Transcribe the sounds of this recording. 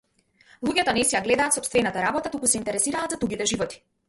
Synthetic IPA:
lˠuɟɛt̪ɔnɛsɛjaɡlɛd̪aːt̪sɔpst̪vɛnat̪aɾabɔt̪at̪ukusɛint̪ɛɾɛsiɾaːt̪zad̪uɡʲit̪ɛʒivɔt̪i̥

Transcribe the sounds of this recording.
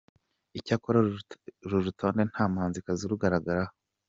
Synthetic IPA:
icakoɾaɾuɾutʰoːnen̥haːmhaːnzikaziɾuɡaɾaɡaɾah

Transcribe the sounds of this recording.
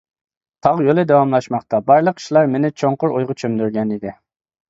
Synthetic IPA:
t̪ʰɑʁjolˠɪd̪ɛwɑmlˠɑʃmɑχt̪ɑbɑɾlˠəqʰːi̥ʃlˠɑɾmenɪt͡ʃʰoɴqʊɾojʁʊt͡ʃʰømd̪yɾɡʲɛnid̪ɪ

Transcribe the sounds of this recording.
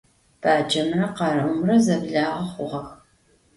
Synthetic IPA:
b̥aːd͡ʒɐmrɐqɑrɨʔʊmrɐzɐbɮaːʁɐχʷʊʁɐx

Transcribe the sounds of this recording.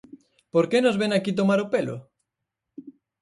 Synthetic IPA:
poɾkenʊzβeŋakit̪omaɾopelʊ̰

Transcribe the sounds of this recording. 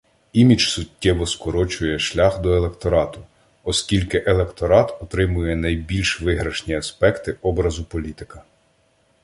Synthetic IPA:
imʲit͡ʃsʊtʲːɛʋɔskɔɾɔt͡ʃʊjɛʃlʲaxd̪ɔelˠekt̪ɔɾɑt̪ʊ | ɔskʲilʲkɪʔelˠekt̪ɔɾɑt̪ɔt̪ɾɪmʊjɛnɐjbʲilʲʃʋɪɦɾɐʃnʲiɐspɛkt̪ɪʔɔbɾɐzʊpɔlʲit̪ɪ̥kɐ

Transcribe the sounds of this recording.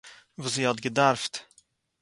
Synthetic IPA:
vuːsiːhɑtɡədaɾft

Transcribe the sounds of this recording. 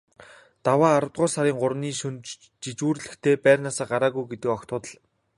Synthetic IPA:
t̪awaːɾə̆wt̪̚ɢʊːrsaɾiːŋɢʊɾniːʃunt͡ɕ | t͡ɕit͡ɕuːrɮɘ̆xt̪ʰeːpæːrnaːsaːɢaɾaːɣujɡet̪ɘ̆kɔkt̪ʊːt̪ə̆ɮ

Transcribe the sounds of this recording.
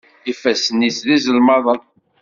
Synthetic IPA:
ifæsənisðizəlmɑðˤən

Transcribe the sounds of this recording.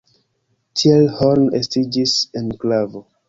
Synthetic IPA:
tʰielhonestid͡ʒisenklavo

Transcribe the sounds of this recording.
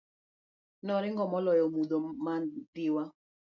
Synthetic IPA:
nɔɾiŋɡɔmɔlɔjɔmudɔmatiwa

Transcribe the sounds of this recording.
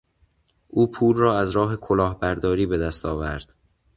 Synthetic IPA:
ʔuːpʰuːlrɒːæzɾɒːɦe̞kʰolɒːhbæɾd̪ɒːɾiːbe̞d̪æst̪ʰɒːvæɾd̪̥

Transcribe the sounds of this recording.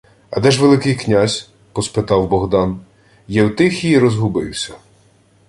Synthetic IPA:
ɐ̰d̪ɛʒʋelˠɪkɪjknʲazʲ | pɔspɪt̪ɑwbɔɦd̪ɑn | jɛwt̪ɪxʲiiɾɔzɦʊbɪ̰wsʲɐ̥

